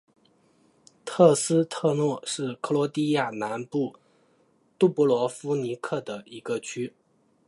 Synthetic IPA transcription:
t̪ʰɤ˥˩sɹ̩˥t̪ʰɤ˥˧nwɔ˥˩ʂɻ̩˥˩kʰɤ˥˩lwɔ˧˥t̪i˥˧ja˥˩na˧˥npu˥˩ | t̪u˥˩pu˥˩lwɔ˧˥fu˥ni˧˥kʰɤ˥˩d̪ə˩i˧˥ɡə˧t͡ɕʰy˥

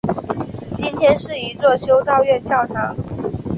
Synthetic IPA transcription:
t͡ɕi˥nt̪ʰjɛ˥nʂɻ̩˥˩i˧˥t͡swɔ˥˩ɕjo˥ʊt̪ɑ˥˧ʊɥɛ˥˧nt͡ɕjɑ˥˩ʊʈ͡ʂʰɑ˨˥˦ŋ

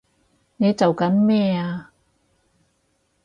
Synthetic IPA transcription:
ne˨˧jt͡sɐ˨wkɐ˨˥nmɛː˥˩aː˧

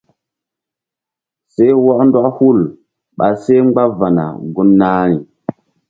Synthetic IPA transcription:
se˦jwɔ˦ʔnda˦ʔhu˦˨l | ɓa˨se˦ŋ͡mɡ͡ba˦va˨na̰˨ɡu˦nːa˦ni˨

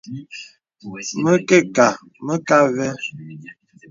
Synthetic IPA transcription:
mə˦ke˦˨ka˨ | mə˦ka˦vɛ˦

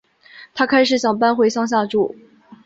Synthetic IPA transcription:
t̪ʰa˥kʰa˥ɪʂ̬ɻ̩˨˩ɕjɑ˨˩ŋpa˥nxwe˥ɪʂɑ˥˧ŋɕ̬ja˥˧ʈ͡ʂu˥˩

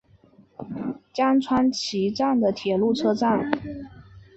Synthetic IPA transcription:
t͡ɕjɑ˥ŋʈ͡ʂʰwa˥nt͡ɕʰi˧˥ʈ͡ʂa˥˩ŋd̪ə˩t̪ʰjɛ˨˩lu˥˩ʈ͡ʂʰɤ˥ʈ͡ʂa˥˩ŋ

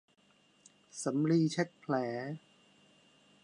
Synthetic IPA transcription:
sa˩˦mɾiː˧t͡ɕʰe˦˥t̪̚pʰlɛː˩˦

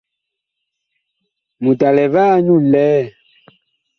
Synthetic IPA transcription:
mũ˨da˨lɛ˨vaː˦ɲũ˦˨lɛː˦

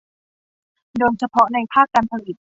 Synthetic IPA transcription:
doː˧jt͡ɕʰa˧pʰɔ˦˥na˧jpʰaː˥˩kːa˧npʰa˧li˨˩t̪̚

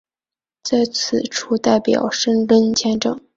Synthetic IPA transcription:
t͡sa˥˩ɪt͡sʰɹ̩˨˩˦ʈ͡ʂʰu˥t̪a˥˩ɪpjɑ̰˨˩˦ʊʂə˥ŋlə˥nt͡ɕʰjɛ˥nʈ͡ʂɤ˨˩˦ŋ

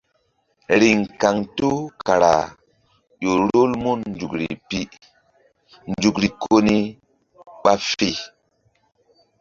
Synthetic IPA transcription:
ɾi˨ŋka˨ŋto˦ka˨ɾa̰˨ | ʄo˨ɾo˦lmo˦nn˦d͡ʒu˨kɾḭ˨pi˦ | nd͡ʒu˨kɾi˨kʰo˦ni˦ | ɓa˦fi˦˨

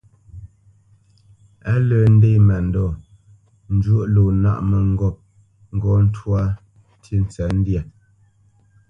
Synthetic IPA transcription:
a˦ləː˨n̩˦de˦˨mɛ˨n̩˨dɔ˦˨ | n̩˦d͡ʒwo˦ʔlo˨na̰˦˨ʔmə˨ŋ̩˦ɡɔ˦˨p̚ | ŋ̩˦ɡɔ˦n̩˦twa˦ | tʰi˦n̩˨t͡sɛ˨˦n̩˦dja˨

